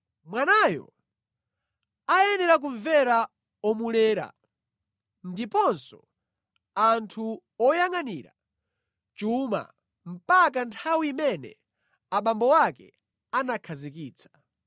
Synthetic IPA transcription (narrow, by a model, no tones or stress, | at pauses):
mwanajɔ̰ | ajɛnɛɾak̬uɱvɛɾa | ɔmulɛːɾa̰ | ndipɔnsɔ | antʰu | ɔjaŋaniːɾa̰ | t͡ʃuma̰ | m̩pakantʰawiːmɛnɛ̰ | aɓambɔwakɛ̰ | anakʰazik̬iːt͡sʰḁ